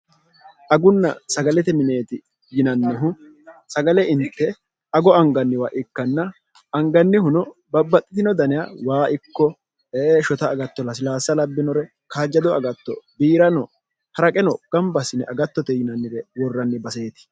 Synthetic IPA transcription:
ʔɐɡʊnːɐ̰sɐɡɐlɛt̪ɛmɪne̞ːt̪ɪ | jɪnɐnːɛɦʊ | sɐɡɐlɛʔɪnt̪ːɛ | ɐɡɔɐŋɡɐnːɪwaʔɪkːɐnːɐ | ʔɐŋɡɐnːɪhʊnɔbɐbːɐt̪ʼːɪt̪ɪnɔd̪ɐnɪja̰waːʔɪkːɔ | eːʃɔt̪ɐːɡɐt̪ːɔlɐs̬ɪlaːsːɐlɐbːɪnɔɾɛ | kaːd͡ʒːɐd̪ɔɐɡɐt̪ːɔ̰biːɾɐnɔ | hɐɾɐkʼɛnɔɡ̥ɐmbɐsɪnɛʔɐɡɐt̪ːɔt̪ɛjɪnɐnːɪɾɛwɔrːɐnːɪbɐse̞ːt̪ɪ̥

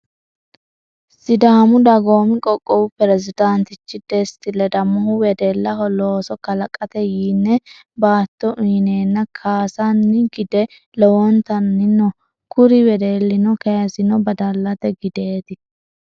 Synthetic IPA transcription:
sɪd̪aːmʊd̪ɐɡo̞ːmɪkʼɔkʼːɔwʊpɛɾɛzɪd̪ant̪ɪt͡ʃːɪd̪est̪ɪlːɛd̪ɐmːɔhʊwɛd̪elːɐɦɔloːsɔkɐlɐkʼːɐt̪ɛjiːnːɛ | baːt̪ːɔʔineːnːɐkʰaːsɐnːɪɡɪd̪ɛ | lɔwɔnt̪ɐnːɪnɔ | kʊɾɪwɛd̪eːlːɪnɔkɐjɐsɪnɔbɐd̪ɐlːɐt̪ɛɡɪd̪e̞ːt̪ɪ

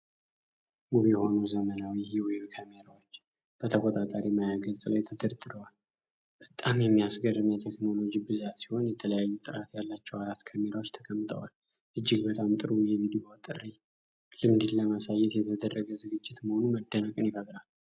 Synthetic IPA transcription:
muβjɛho̞nuzəmənawihiweβkʰameɾawot͡ʃː | b̥ət̪ʰəkʼot̪ʼat̪ʼaɾimajaɡəzʼlajt̪ʰɨd̪əɾd̪ɨɾəwal | b̥ət̪ʼamjɛmːijasɡərːɨmjat̪ʰekno̞lo̞d͡ʒibɨzat̪si̥ho̞njɛt̪ʰələjajːut̪ʼɨɾat̪jalːat͡ʃːɛwaɾat̪ːkʰameɾawo̞t͡ʃːt̪ʰə̥kʰəmːɨt̪ʰə̰wal | ʔɨd͡ʒːɪɡbət̪ʼamt̪ʼɨɾujɛvid̪io̞t̪ʼɨrːi | lɨmd̪ɨnləmasajːɛt̪jɛt̪ʰəd̪ərːəɡəzɨɡɨd͡ʒːɪt̪məho̞numəd̪ːənəkʼɨnjɪfəɡɾal

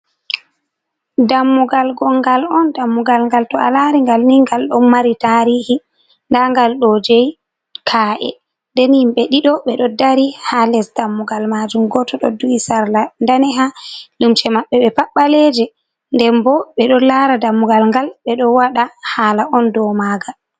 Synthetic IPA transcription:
damːuɡalɡɔŋɡalɔndamːuɡalŋɡaltɔa̰laɾiŋɡalniŋɡalɗɔnmaɾitaɾihi | ndaŋɡalɗɔd͡ʒej | kʰaʔɛ̰ | ndɛnhimɓɛɗiɗɔɓɛɗɔdaɾihalɛsdamːuɡalmad͡ʒumɡɔtɔɗɔduwisaɾlandanɛɦalumt͡ʃɛmaɓːɛɓɛpaɓːalɛd͡ʒɛ | ndɛmbɔɓɛɗɔlaɾadamːuɡalŋɡalɓɛɗɔwaɗahaːlaʔɔndɔmaːɡa

